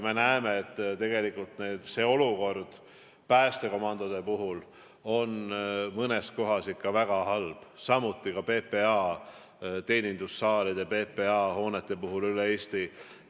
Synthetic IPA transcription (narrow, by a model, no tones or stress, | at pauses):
me̞næeme̞et̪ːt̪e̞ɡe̞likːˑult̪neːd̪̥se̞ːo̞luko̞rd̪̥ | pæːst̪e̞ko̞mɑnd̪od̪e̞puɦul | o̞nmɤnesko̞ɦɑsikːɑvæɡ̥ɑhɑlb̥sɑmut̪ːˑikɑpe̞ːpe̞ɑː | t̪e̞ːnʲind̪usːɑːlid̪̥epe̞pe̞ɑːho̞ːnet̪ːˑe̞puɦulylee̞ːst̪i